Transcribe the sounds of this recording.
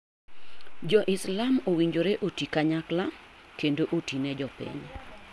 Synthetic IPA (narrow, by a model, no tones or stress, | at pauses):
d͡ʒɔʔɪslamowiɲd͡ʒoɾeʔotikaɲaklakendoʔotinɛd͡ʒɔpḭɲ